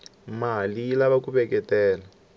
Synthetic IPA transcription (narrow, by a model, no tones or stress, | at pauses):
maɦalilaβakuβɛkɛtɛːla